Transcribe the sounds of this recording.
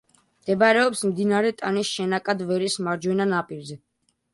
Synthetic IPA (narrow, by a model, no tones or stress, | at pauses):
md̪̥ɛbaɾɛɔpsmd̪inaɾɛt̪ʼanisʃɛnakʼad̪vɛɾismaɾd͡ʒwɛnanapʼiɾzɛ